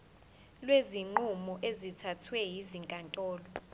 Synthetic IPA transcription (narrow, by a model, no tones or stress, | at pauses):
lweziŋ͡ǃumɔʔezitʰatʰwɛjiziŋkʼantʼɔːlɔ